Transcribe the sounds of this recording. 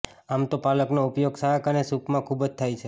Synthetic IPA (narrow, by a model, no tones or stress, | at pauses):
amt̪opaləknoupjoɡsaəkənesukmãkʰubd͡ʒt̪ʰajt͡ʃʰe